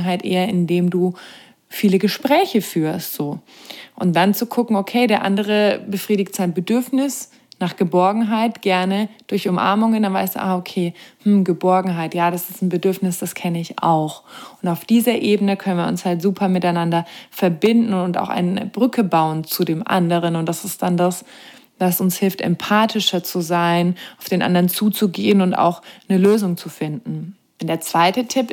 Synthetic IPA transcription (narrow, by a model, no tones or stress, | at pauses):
ɦaltʔḛːɐɪndeːmduː | fiːləɡəʃpʁ̥ɛːçəfyːɐstz̥oː | ʔʊnt̚d̥ant͡sukʰʊkŋ̩okʰeːdeːɐʔa̰ndəʁ̞əbəfʁ̥iːdɪktz̥aɪnbədʏɐfnɪs | naːχɡ̥əbɔɐɡŋ̩ɦaɪtɡ̥ɛɐnəd̥ʊɐçʊmʔa̰ɐmʊŋəndanvaɪstd̥ṵʔa̰ːokʰeːmm̩ɡəbɔɐɡŋ̩ɦaɪtjaːɾasɪstn̩bədʏɐfnɪsd̥askʰɛnəɪçʔa̰ʊxʔʊntaʊfd̥iːzɐʔeːbənəkʰœnənviɐʊ̰nshaltz̥uːpʰɐmɪtaɪnandɐfɛɐbɪndn̩ʊnta̰ʊxa̰ɪnnə̰bʁʏkʰəbaʊənt͡sudeːmʔa̰ndəʁ̞ənʊntd̥asɪst̚d̥andas | v̥asʔʊnshɪlftɛ̰mpʰaːtʰɪʃɐt͡suzaɪnaʊfd̥eːnʔa̰ndɐʁənt͡suːt͡suɡeːənʊnta̰ʊxnəløːzʊŋt͡sufɪndn̩ | ɛnd̥eːɐt͡sv̥aɪtətʰɪp